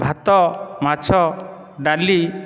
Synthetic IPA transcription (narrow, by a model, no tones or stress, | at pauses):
bʱat̪ɔmat͡ʃʰɔ | ɖali